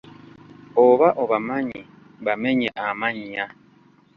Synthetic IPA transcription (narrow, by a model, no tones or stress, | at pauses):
oβaʔoβamaɲi | bamɛɲɛʔamaɲia